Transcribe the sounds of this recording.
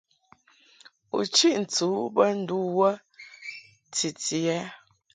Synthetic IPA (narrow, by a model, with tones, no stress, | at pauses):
ṵ˨t͡ʃi˦ʔn̩˨t͡su˨˦bə˦n̩˦du˦wə˦ | ti˨ti˨ɛ˦